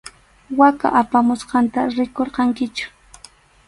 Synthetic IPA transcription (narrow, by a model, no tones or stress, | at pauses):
waka̰ʔapamʊsqɑnt̪aɾɪkoɾqɑŋkɪt͡ʃʊ̥